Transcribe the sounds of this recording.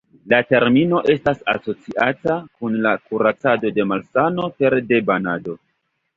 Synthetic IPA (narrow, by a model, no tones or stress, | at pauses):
late̞ɾmino̞ʔe̞stasa̰so̞t͡siʔatakunlakuɾat͡sado̞de̞malsano̞pe̞ɾde̞banado̞